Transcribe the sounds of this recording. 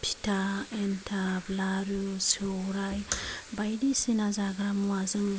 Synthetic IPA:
pʰi̥taentʰablaɾusowɾajbajdisinazaɡɾamwazɨŋ

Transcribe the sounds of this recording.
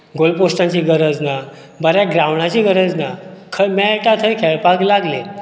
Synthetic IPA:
ɡolpost̪ãɲt͡ɕiːɡəɾəd͡zna | bəɾjaɡɾawɳãt͡ɕiːɡəɾəd͡znakʰəmɛʈat̪ʰəjkʰɛɭpaklaɡle

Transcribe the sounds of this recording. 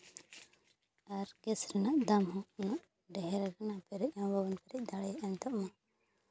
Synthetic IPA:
aɾkɛsɾɛnaʔd̪amɦɔ̃naʔ | ɖɛɦɛɾaɾɛnapɛɾɛc̚ˀambʱabɔnpɛɾɛc̚d̪aɽɛjaʔɛnt̪ɔʔma

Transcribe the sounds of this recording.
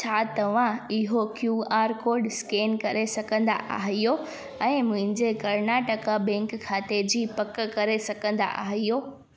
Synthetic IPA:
t͡ɕʰaːt̪ɐʋ̤ãɪɦokjuːaːɾkoːɾɖskeːnkɐɾesɐɡʱə̃nd̪a̰ʔa̰ːɦijo | ɛ̃ːmʊ̃ɦɪ̃ɲd͡ʑekɐɾnaːʈəkabɛ̃ːŋkʰːaːt̪ed͡ʑiːpɐkkɐɾesɐɡʱə̃nd̪a̰ʔa̰ːɦijoː

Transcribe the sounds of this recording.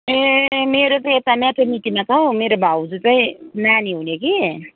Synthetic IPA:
emeɾot͡saij̃et̪amat̪ʰemit̪imat͡sawmeɾobʱawd͡zut͡saĩnaniɦunjoki

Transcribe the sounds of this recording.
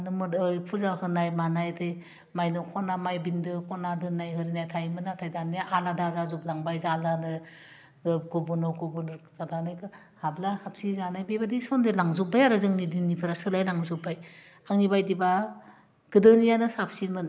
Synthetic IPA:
nɯmɯɯjpʰuzahɯnajmanajdɯ | majnɯkʰɔnamajbindɯkʰɔnadɯnajɦɯɾinajtʰajmɯnatʰajdanijaʔaladazazuplaŋbajzalanɯ | ɡobunɯwkubunzadanajkɯ | hablahapsizanajbibadisɔndelaŋzubajaɾɯzɯŋnidinipʰɯɾasɯlajlaŋzubaj | aŋnibajdiba | ɡ̥ɯdɯnijanɯsap̚sinmɯn

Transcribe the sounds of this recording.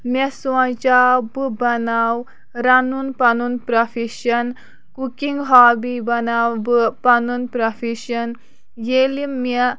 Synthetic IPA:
mesãt͡ʃabɨbɐnaw | ɾanunpɐnunpɾɐfiʃɐn | kukiŋɡɦaːbibɐnawbɨpɐnunpɾɐfiʃɐn | jelime

